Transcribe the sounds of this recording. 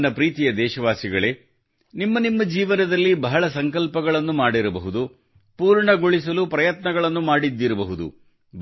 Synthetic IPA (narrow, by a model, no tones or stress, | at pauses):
nɐpɾiːt̪ijɐd̪ɛːʃɐʋaːsiɡɐɭe̞ | nimːɐnimːɐd͡ʒiːʋɐnɐd̪ɐlːibɐɦɐɭɐsɐŋkɐlpɐɡɐɭɐnːumaːɽiɾɐbɐɦud̪u | puːɾɳɐɡoɭis̬ɐlupɾɐjɐt̪nɐɡɐɭɐnːumaːɽid̪ːiɾɐbɐɦud̪ṵ | b